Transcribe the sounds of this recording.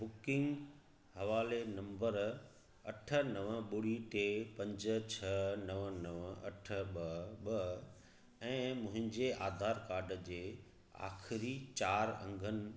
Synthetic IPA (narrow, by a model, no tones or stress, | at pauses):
bʊkɪ̃ŋɡ | hɐʋaːlenɐ̃mbəɾ | ɐʈʰə̆nɐʋəɓʊɽiʈepɐ̃ɲd͡ʑə̆t͡ɕʰɐnɐʋənɐʋɐ̰ʈʰə̆ɓɐɓɐ | ɛ̃ːmʊ̃ɦɪ̃ɲd͡ʑeʔaːd̪ʱaːɾkaːɾɖəd͡ʑeː | a̰ːxɪɾit͡ɕaːɾɐ̰̃ŋɡʱənɪ̆